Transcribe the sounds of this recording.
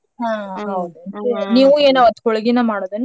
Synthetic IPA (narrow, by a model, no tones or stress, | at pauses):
ɦãːɦɐwd̪uniːʋueːnɐɐt̪ːkɔɭɡinɐmaːɽod̪ɐnː